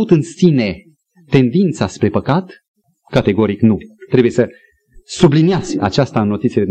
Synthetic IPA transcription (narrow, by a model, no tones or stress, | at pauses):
ut̪ɨnsine̞ | t̪e̞nd̪int̪saspɾe̞pəkat̪ | kat̪e̞ɡo̞ɾiknut̪ɾe̞buje̞sə | subliniazʲa̰t͡ʃast̪aɨnːo̞t̪itsied̪m